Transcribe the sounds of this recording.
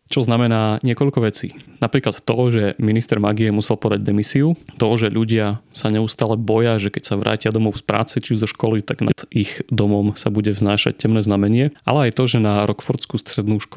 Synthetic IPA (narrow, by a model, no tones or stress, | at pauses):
t͡ʃɔznamɛnaːɲɪɛkɔʎkɔʋɛt͡sḭːnapɾiːklˠat̪ːɔʒɛminist̪ɛɾmaɡiɛmusɛlˠpɔd̪aɟd̪ɛmisiut̪ɔʒɛʎuɟɪasaɲɛust̪aːlɛbɔjaʒɛkɛcsaʋɾa̰ːcɪad̪ɔmɔʊspɾa̰ːt͡sɛt͡ʃiuʒzɔʃkɔlit̪aɡnat̪iɣd̪ɔmɔmsabuɟɛvznaːʃa̰c̚cɛmnɛːznamɛɲɪɛʔa̰lɛajt̪ɔʒɛnaɾʔɔkfɔɾt͡skust̪ɾɛd̪nuːʃk